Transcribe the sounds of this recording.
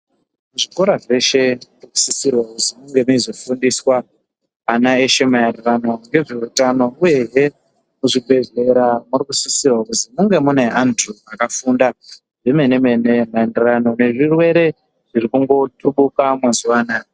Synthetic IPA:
muʐiko̞ɾaʐe̞ʃe̞riku̥sisirwakutimuŋɡe̞muizofundiswaː | nae̞ʃe̞maenderano̞ŋɡe̞ʐeutano̞uje̞ɦe̞ | muʐiɓʱe̞ze̞ɾamuɾikusisirwakuzimuŋɡe̞mune̞ʔandruakafunda | ʐemenemenemae̞nderano̞ne̞ʐirwe̞ɾe̞ | ʐ̥iɾikuŋɡo̞tʰuɓukamwazuaːna

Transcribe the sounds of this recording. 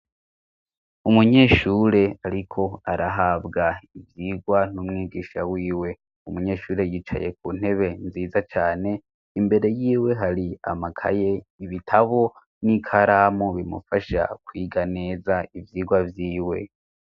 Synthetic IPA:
umuɲe̞ːʃuɾe̞aɾikʰo̞aɾaɦabɡaivjiːɡwan̥umŋiːɡiːʃawiːwe̞ | umuɲe̞ːʃuːɾe̞jiːt͡ʃa̰jek̚uːn̥e̞βe̞nziːzat͡ʃaːne̞ | imbe̞ɾe̞jiːwe̞ɦaɾia̰makʰa̰je̞iβitʰaβo̞ | nikʰaɾamuβimṵfaʃa̰kwiːɡane̞ːzaivjiːɡwavjiːwe̞̰

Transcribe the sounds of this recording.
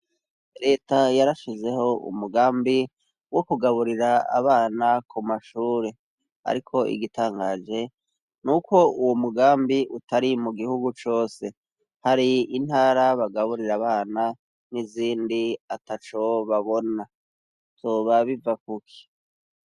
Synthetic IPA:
ɾe̞ːtajaɾaʃize̞ho̞ṵmuɡaːmbi | wo̞kuɡaβuɾiɾaa̰βaːnakumaʃuːɾe̞ | a̰ɾikʰo̞ʔḭɡitaːŋɡaːd͡ʒe̞ | nuko̞uwomuɡaːmbiʔutaɾimuɡihuɡut͡ʃo̞ːse̞ | haɾiin̥haːɾaβaɡaβuɾiɾaβaːna | niziːndiatat͡ʃo̞βaβo̞na | z̥oːβaβivak̚ukʰi̥

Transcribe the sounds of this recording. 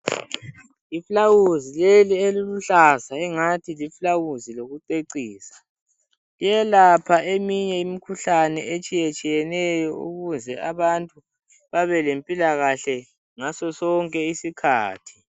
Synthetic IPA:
iflawuzilelieliluɬasaɛŋatʰiliflawuziloɣuǀeǀiːsḁ | ijɛlapʰaemiɲɛimikʰuɬanɛet͡ʃʼijet͡ʃʼijɛnɛjɔṵɣuzɛaβantʼu | βaβɛlempʼilaɣaɬɛ | ŋasɔsɔŋkʼɛisikʰaːtʰi̥

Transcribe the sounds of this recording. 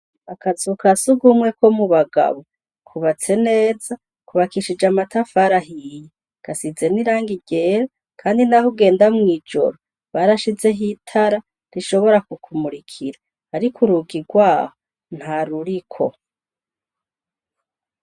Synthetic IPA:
akazukasuɡumŋe̞ko̞muβaɡa̰βo | kʰuβat͡se̞ne̞ːza | kuβakiʃid͡ʒamatafaɾaɦije | ɡ̥asize̞niɾaːŋɡiɡe̞ɾa | kʰaːndinahuɡe̞ːndamŋiːd͡ʒo̞̰ɾo | βaɾaʃize̞ɦitʰaɾa | ɾiʃo̞βo̞ɾakukʰumuɾikʰiɾaː | ɾikʰuɾuɡiɡwaːho | n̥haɾuɾikʰo̞̰

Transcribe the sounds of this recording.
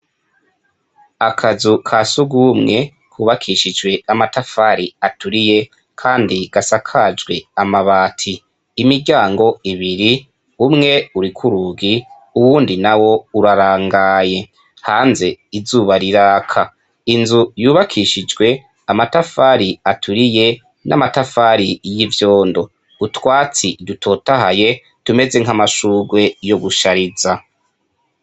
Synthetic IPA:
akʰazukʰasuɡumŋe̞ | kʰuːβakʰiʃid͡ʒwe̞amatafaɾiatuɾije̞ | kʰaːndiɡ̥asakʰad͡ʒɡwe̞amaβaːtʰiː | miɟaːŋɡo̞iβiɾi | umŋe̞uɾikʰuɾuɡi | uwuːndinawo̞uɾaɾaːŋɡaːje̞ | haːnze̞izuːβaɾiɾaːkʰa | inzujuːβakʰiʃid͡ʒɡwe̞ | amatafaɾiatʰuɾije̞ | nʔa̰matafaːɾijivjo̞ːndo̞ | utwaːt͡sidutʰo̞ːtaɦaje̞ | tume̞ze̞ŋ̥hamaʃuːɡwe̞jo̞ɡuʃaɾiza

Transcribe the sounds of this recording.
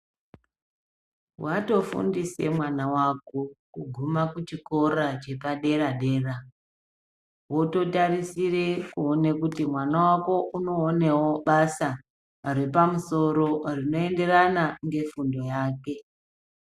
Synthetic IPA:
wato̞fṵndise̞̰mwanawako̞kuɡʱumakut͡ʃiko̞rat͡ʃe̞paɗe̞raɗe̞ːra | wo̞to̞tarisire̞kuone̞kutimwanawako̞ʔuno̞ːne̞wo̞ɓasa | rwe̞pamuso̞ɾo̞rino̞e̞nde̞ranaŋɡe̞fundo̞jaːke̞

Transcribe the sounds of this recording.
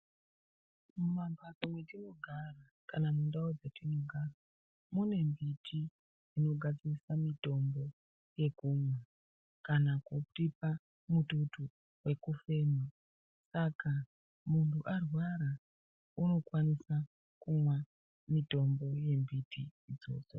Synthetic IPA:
mumambatomwetino̞ɡʱara | kanamundaod͡zetinoɡʱara | mune̞mbitʰi | ino̞ɡʱad͡zirisamito̞mbo̞ | je̞kuːmwa | kanakoutipa | mututu | we̞kufe̞ːma | saka | muntʰuʔarwaɾa | uno̞kwanisa | kumwa | mito̞mbo̞je̞mbitʰḭːd͡zo̞̰ːt͡so

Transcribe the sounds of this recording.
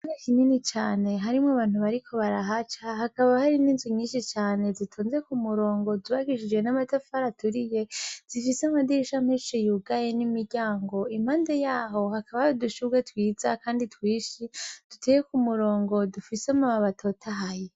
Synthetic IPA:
nekininit͡ʃaːne̞ɦaɾimŋaβaːn̥uβaɾikʰo̞βaɾaɦat͡ʃahakaβahaɾininziɲiːnʃit͡ʃaːne̞zitʰoːnze̞kumuɾo̞ːŋɡo̞zuβaɡiʃid͡ʒwe̞namatafaɾatuɾije̞z̥ifiseamadiɾiʃamheʃijuɡaje̞nimiɾɟaːŋɡo̞im̥haːnde̞jaːɦo̞hakaβaoduʃuɡetwiːzakaːnditwiːʃid̥utejekumuɾo̞ːŋɡo̞dufisamaβaβatʰo̞tʰaɦaje

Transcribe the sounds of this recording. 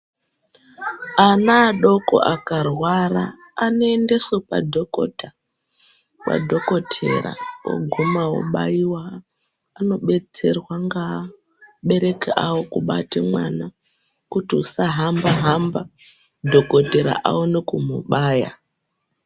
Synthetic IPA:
anaːɗo̞ko̞̰ʔakarwaraː | noende̞sepa̰dʱoko̰ta | wa̰dʱo̞ko̞tʰe̞̰ɾa̰wo̰ɡʱumawo̰ɓa̰iwaː | no̞ɓe̞t͡se̞̰rwaŋɡa | ɓe̞ɾe̞kaʔawo̞kuɓa̰timwana | kutiusaɦambaɦamba | dʱo̞ko̞te̞ɾa̰ʔawonekumuɓaːja̰

